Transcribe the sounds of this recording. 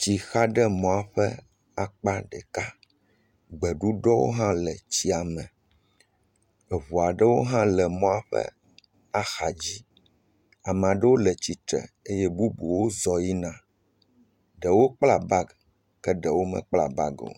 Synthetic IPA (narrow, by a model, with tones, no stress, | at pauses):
t͡ɕi˨xa˦ɖɛ˦mɔ̃˨a˨ɸɛ̰˦ | a˨k͡pa˦ɖɛ˨ka˦ | ɡ͡bɛ˨ɖu˦ɖɔ˦wo̰˦ɦã˦lɛ˨t͡ɕi˦a˨mɛ̃˨ | e˨βu˨a˨ɖə˦wo˦ɦã˦lɛ˨mɔ̃˦a˨ɸɛ̰˦ | a˦xa˨d͡ʑi˦ | a˨m̃˨a˨ɖə˦wo˦lɛ˨t͡ɕi˨t̪ɾɛ̰˨e˦jɛ˦bu˦bu˨wo˦zɔ˨ji˦nã˦ | ɖɛ˨wo˦k͡pla˨ba˦ɡ | kɛ˦ɖə˨wo˦mɛ̰˨k͡pla̰˨ba̰˦ɡo̰˨